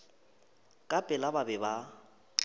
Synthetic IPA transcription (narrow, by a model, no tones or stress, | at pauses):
kʼapʼɪlababɛba